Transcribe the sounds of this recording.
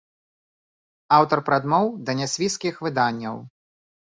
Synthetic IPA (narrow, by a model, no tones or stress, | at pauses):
awt̪ɐrpɾad̪mɔwd̪ɐnʲasʲvʲiskʲixvɨd̪anʲːɐ̰w